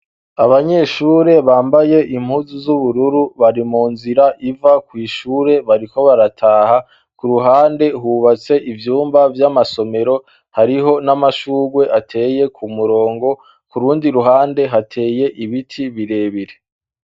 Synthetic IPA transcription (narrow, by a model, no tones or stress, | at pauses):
aβaɲe̞ʃuːɾe̞βaːmbaje̞ʔim̥huzuzuβuɾuɾuβaɾimuːnziɾaʔivakwiːʃuːɾe̞βaɾiko̞βaɾatʰaːha | kuɾuɦaːnde̞ɦuβat͡se̞ʔivjuːmbavjamaso̞me̞ɾo̞ | haɾiɦo̞namaʃuːɡwe̞ʔatʰe̞ːje̞kʰumuɾo̞ːŋɡo̞ | kuɾuːndiɾuɦaːnde̞ɦatʰe̞ːje̞ʔiβitʰiβiɾe̞ːβiɾe̥